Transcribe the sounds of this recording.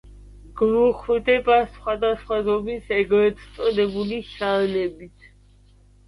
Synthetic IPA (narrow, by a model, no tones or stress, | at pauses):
ɡ̥muχd̪ɛbasχwad̪asχwazɔmisɛɡɾɛt̪st̪sʼɔd̪ɛbuliʃallɛbit̪ʰ